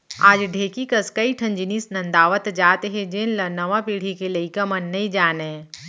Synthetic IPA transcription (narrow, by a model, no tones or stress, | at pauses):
aːd͡ʒɖʱeːkikɐskɐiʈʰɐ̃nd͡ʒiniːsnɐ̃nd̪aːʋət̪d͡ʒaːt̪eɦɛ̃d͡ʒeːnlɐnɐʋapiːɽ̤ikelɐikɐmɐnːɐĩd͡ʒaːnẽ